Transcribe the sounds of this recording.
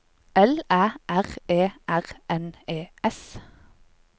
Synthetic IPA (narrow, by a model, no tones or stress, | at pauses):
ɛlæːʔæʁeːʔæʁʔɛneːɛs